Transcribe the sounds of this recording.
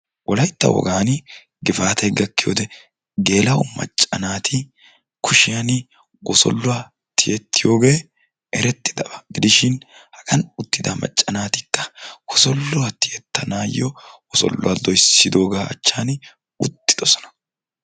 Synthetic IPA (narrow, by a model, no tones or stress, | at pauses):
wʔɔlɐjt̪ːɐ̰wɔ̰ɡaːnɪ | ɡɪfaːt̪ɐɡɐkːɪjo̰ːd̪ɛ | ɡe̞ːlɐʊmɐ̰t͡ʃʼːɐnaːt̪ʰɪ | kʰʊʃɪjanɪ | ɡɔsɔ̰lːʊwa | t̪ɪjɛt̪ːɪjo̞ːɡe̞ː | ɛɾɛt̪ːɪd̪ɐbɐɡɪd̪ɪʃɪnhɐ̥kʼɐnʊt̪ːɪd̪amɐ̰t͡ʃʼːɐnaːt̪ɪkːɐ̥ɡ̥ɔsɔlːʊwɐt̪ɪjɛt̪ːɐnaːjːɔwɔsɔ̰lːʊwad̪ɔjsɪd̪o̞ːɡaːɐ̰t͡ʃːaːn | ʊt̪ːɪd̪̥ɔsɔ̥nɐ̥